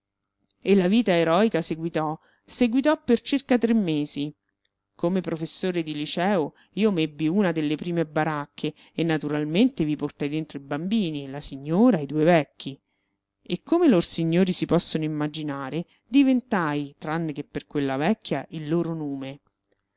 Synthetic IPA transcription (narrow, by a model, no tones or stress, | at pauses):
elːaviːt̪aeɾɔikaseɡwit̪ɔ | seɡwit̪̬ɔpːert͡ʃirkat̪ɾemːeːzi | komepɾofesːoːɾed̪ilit͡ʃɛːo | iːomebːiuːnad̪elːepɾiːmebaɾakʰːeː | nːat̪uɾalment̪eviport̪ajd̪ent̪ɾoibambiːnilasiɲːoːɾaid̪uːevɛkːi | ekʰːomelorsiɲːoːɾisipɔsːonoimːad͡ʒinaːɾe | d̪ivent̪ajt̪ɾanːek̟epːerkwelːavɛkːjaʔilːoːɾonoːme